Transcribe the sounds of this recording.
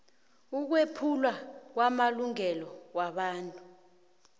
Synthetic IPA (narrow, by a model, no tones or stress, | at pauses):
uk̬wepʰulwak̬wamaluŋɛlɔwaɓaːntʼu